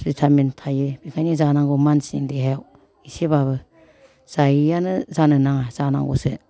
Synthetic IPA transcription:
ɾitʰamentʰajɯbikʰajnizanaŋɡomansiŋdiɦajaw | iseβabɯ | z̥ajijanɯzanɯnaŋazana̰ŋɡo̰sɯ̰

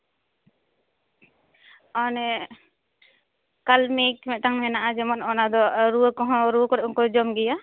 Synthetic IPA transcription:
ɔnɛ | kalmekmɛʔtaŋmɛnaʔad͡ʒɛmɔnɔnad̪ɔɾuəkɔɦɔ̃ɾuəkɔɾɛʔɔŋkɔd͡ʒɔmɡɛja

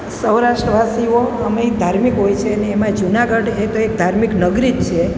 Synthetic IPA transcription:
səwɾaʃʈɾəʋʱasioəmed̪ʱaɾmikɦojt͡ʃʰeəneːmãd͡ʒunaɡəɖet̪oek̚d̪ʱaɾmiknəɡɾid͡ʒt͡ʃʰe

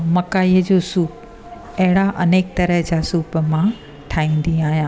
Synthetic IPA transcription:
mɐkaːiːəd͡ʑosuːp | ɐɦɪɽaʔɐneːk̚t̪ɐɾəɦd͡ʑaːsuːpmã | ʈʰaːĩːn̆d̪ĩaːɦijãː

